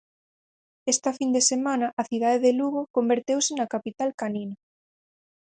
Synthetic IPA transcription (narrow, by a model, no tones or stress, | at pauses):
est̪ɐfind̪esemanɐʔɐθiðaðeðeluɣ̞okombeɾt̪ewsɪnakapit̪alkaninɐ